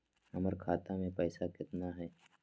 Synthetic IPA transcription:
hɐməɾkʰaːt̪amẽpɛːsakɪt̪naɦɛː

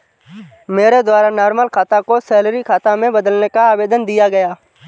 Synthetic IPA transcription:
meːɾed̪waːɾanɔːɾməlkʰaːt̪akosɛːlɾikʰaːt̪ãmẽbəd̪əlnekaaːʋeːd̪ənd̪ɪjaɡɐjaː

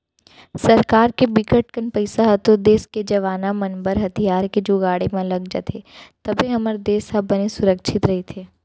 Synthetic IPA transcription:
sɐɾkaːɾkebiɪkəʈkənpəɪsaɦɐt̪od̪eːsked͡ʒɐʋaːnamɐnbəɾɦɐt̪ʰijaːɾked͡ʒoɡaːɽemãlɐɡd͡ʒə̰t̪ʰeːt̪ɐbʱiɦɐməɾd̪eːsɦɐbbɐnesʊɾəkʃʰɪt̪ɾɐɦet̪ʰeː

